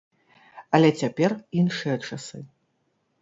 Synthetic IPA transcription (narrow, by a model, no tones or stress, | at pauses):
ɐlʲɛt͡sʲapʲɛrinʂɨjɐt͡ʂasɨ